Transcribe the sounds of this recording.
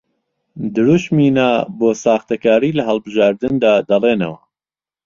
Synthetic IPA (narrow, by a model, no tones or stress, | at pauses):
d̪ɨɾuʃmiːnaːboːsaːxt̪ɐkaːɾiːlɐɦɐlˠbɨʒaːɾd̪ɨnd̪aːd̪ɐleːnɐ̰wɐ